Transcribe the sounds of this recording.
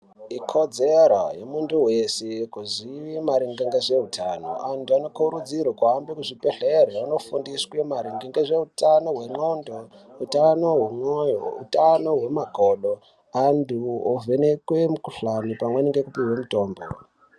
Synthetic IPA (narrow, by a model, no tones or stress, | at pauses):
ikʰod͡zeɾojemuntuwesekuziʋimaɾiŋɡiŋɡeʐe̞utʰano̰ʔantuano̞kuɾud͡zirwakambekuʐipeɬereuno̞fundiswemaɾiŋɡiŋɡeʐe̞utano̞ɦwe̞ŋ͡ǃondo | utanoɦumwojo̰ṵtano̞ɦwe̞maɡʱoɗo | anduovenekwe̞mukuɬanipamweniŋɡekupiwemuto̞ːmbo̰